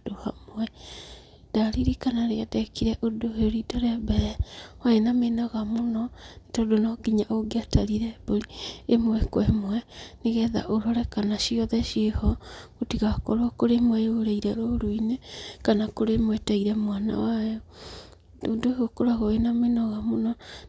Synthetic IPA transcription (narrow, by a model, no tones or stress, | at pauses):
dohamwɛ | d̥aɾiɾikanaɾeadɛkiɾɛʔodoheoɾidɔɾeabɛwaenamenaɣamonɔnetaodonɔɡiɲaʔoɡeataɾiɾɛboɾiemowɛkwɛmwɛneɣɛða̰ʔoɾɔɾɛkanaʃiɔðɛʃehɔɣotiɣakɔɾwakoɾemwɛjoɾaiɾɛɾoɾoinekanakoɾemwɛtaiɾɛmwana̰wajɔ | dodohokoɾaɣɔenamenɔɣamonɔ